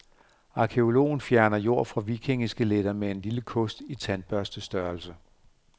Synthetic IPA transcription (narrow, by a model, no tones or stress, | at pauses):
ɑ̈kʰe̝o̝lo̝̰ːn̩fjæɐnɐjo̝ɐ̰fʁɑ̈ʋikʰe̝ŋisɡ̥əled̥ɐmee̝nliləkʰɔ̽sd̥it͡sʰæn̚b̥ɶɐsd̥əsd̥ɶɐlsə